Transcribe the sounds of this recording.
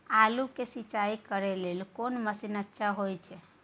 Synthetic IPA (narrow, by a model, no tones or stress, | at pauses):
alukesit͡ʃaikəɾɛlelkonməsinətːʃaɦojt͡ʃʰɛ